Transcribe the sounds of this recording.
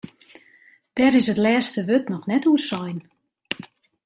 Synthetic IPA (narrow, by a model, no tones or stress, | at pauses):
d̥ɛɾɪsətlɛːstəʋøtnɔxnɛtuərsɔjn